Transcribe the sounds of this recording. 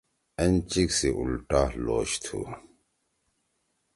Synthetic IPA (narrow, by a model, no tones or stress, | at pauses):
ɐnt͡ɕiksiʔulʈaːlo̰ːɕt̪ʰṵ